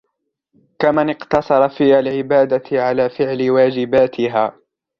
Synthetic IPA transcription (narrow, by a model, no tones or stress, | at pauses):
kamanɪqt̪ɑsˤɑɾˤɑfiːhalʕɪbaːd̪aʕalaːfɪʕlɪwaːd͡ʒɪbaːt̪ʰɪɦaː